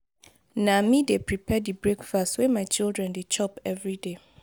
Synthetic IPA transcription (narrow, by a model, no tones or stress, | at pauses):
nãmĩdepʰɹipʰɛdibɹekfastwɛmaɪt͡ʃildɹɛ̃ndet͡ʃʰɔpɛvɹide